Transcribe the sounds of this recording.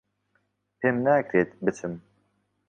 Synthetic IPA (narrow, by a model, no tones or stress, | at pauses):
pʰemnæːkɾeːt̪bɨt͡sʰɨm